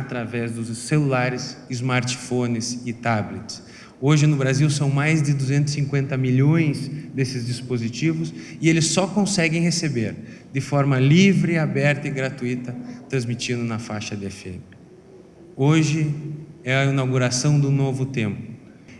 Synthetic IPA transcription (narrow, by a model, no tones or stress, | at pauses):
at̪ɾavɛzd̪ʊzselulaɾɪsɪzmaɾt͡ʃɪ̥fõnɪsɪt̪ablet͡ʃ̪ɪ̥s | oʒɪnʊbɾaziwsɐ̃w̃majzd̪ɪd̪uzẽnt̪ʊ̥sĩŋkwẽnt̪ɐmiʎõj̃sd̪esɪzd͡ʒispozit͡ʃivʊsɪelɪsːɔkõsɛɡẽj̃hesebeɾd̪ɪfɔɾmɐlivɾɪabɛɾt̪ɐɪɡɾat̪uit̪ɐt̪ɾɐ̃zmit͡ʃĩnd̪ʊnɐfaʃɐd̪ɪɛfḛ̃mɪ | oʒɪɛɐinawɡuɾasɐ̃w̃d̪ʊnovʊt̪ẽmpʊ